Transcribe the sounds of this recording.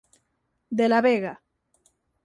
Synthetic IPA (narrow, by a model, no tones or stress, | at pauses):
d̪elaβeɣa